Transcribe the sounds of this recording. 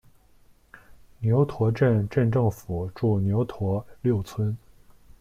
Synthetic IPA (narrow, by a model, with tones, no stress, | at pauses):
njo˧˥ʊt̪ʰwɔ˧˥ʈ͡ʂə˥˧nʈ͡ʂə˥˧nʈ͡ʂɤ˥˩ŋfu˨˩ʈ͡ʂu˥˩njo˧˥ʊt̪ʰwɔ˧˥ljo˥˩ʊt͡sʰwə˥n